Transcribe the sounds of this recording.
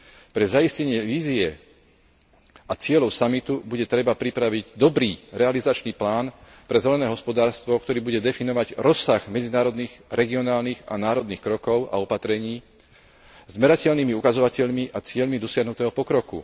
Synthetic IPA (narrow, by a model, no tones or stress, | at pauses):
pɾɛzaiscɛɲɪɛʋiːziɛ | ʔat͡sɪɛlɔʊsamit̪ubuɟɛt̪ɾɛbapɾipɾaʋiɟd̪ɔbɾiːɾɛalizat͡ʃniːplaːn | pɾɛzɛlɛnɛːɦɔspɔd̪aːɾst̪ʋɔkt̪ɔɾiːbuɟɛd̪ɛfinɔʋaɟɾɔsːaɣmɛd͡zinaːɾɔd̪niɣɾɛɡiɔnaːlniɣa̰naːɾɔd̪nixkɾɔkɔʊa̰ɔpat̪ɾɛɲiː | zmɛɾacɛʎniːmiukazɔʋacɛʎmiʔat͡sɪɛʎmid̪ɔsɪaɦnut̪ɛːɦɔpɔkɾɔkṵ